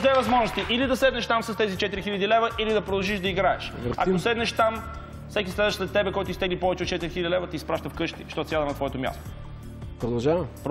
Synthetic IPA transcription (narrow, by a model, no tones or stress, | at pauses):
d̪ɛvɐzmɔʒnost̪iʔilid̪ɐsɛd̪nɛʃt̪amsɐst̪ɛzit͡ʃɛt̪iɾixilʲəd̪ilɛvəʔilid̪ɐpɾod̪ɐlˠʒiʃd̪ɐiɡɾaɛʃvɐ̰kosɛd̪nɛʃt̪am | fsɛkʲislɛd̪əʃzɛt̪ːɛbɛkɔjt̪oist̪ɛɡlipɔvɛt͡ʃɛot̪̚ːt͡ʃɛt̪iɾixilʲədʲilɛvət̪iːspɾaʃt̪əfkɤʃt̪iʃt̪ɔt̪sjad̪ɐmnɐt̪vɔɛt̪omʲja̰st̪o̥ | pɾod̪ɐlˠʒavɐmpɾ